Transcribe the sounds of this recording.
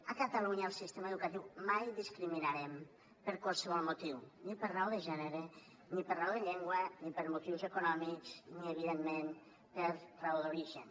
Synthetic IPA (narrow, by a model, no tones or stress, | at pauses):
əkət̪əluɲəːlˠsist̪eməeðukət̪iwmajðiskɾiminaɾɛm | pəɾkwalˠsəβ̞ɔlˠmut̪iwnipəɾrawðəʒɛneɾe | nipərrawðeʎɛŋɡwənipəɾmut̪iwzəkunɔmikzniəβ̞iðemːen | pəɾrawðuɾiʒə̰n